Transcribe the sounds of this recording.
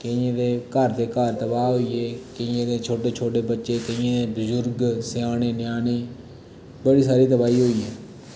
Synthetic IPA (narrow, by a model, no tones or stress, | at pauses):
kəẽːd̪eːkəɾt̪eːkaɾt̪əbaːɦoiːeːkəɪ̃ẽːd̪eːt͡ʃʰoːʈeːt͡ʃʰoːʈeːbətːʃeːkəĩẽːd̪ebʊzʊɾɡsɪjaːneːnjaːneː | bəɽiːsaːɾiːt̪əbaːiːɦoːiːɦɛː